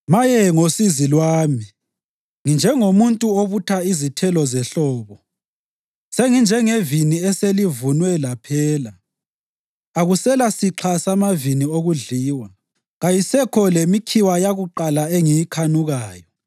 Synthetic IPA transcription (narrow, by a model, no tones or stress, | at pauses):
majɛŋosizilwaːmi | ŋind͡ʒʱɛŋomuntʼuoβutʰaizitʰɛlɔzɛɬɔːβɔ | seŋind͡ʒʱɛŋeviniɛselivunwɛlapʰɛːla | aɣusɛlasiǁʰasamavinioɣuɮiːwa | ɣajisɛkʰɔlemikʰiwajaɣuǃalaeŋijikʰanuɣaːjɔ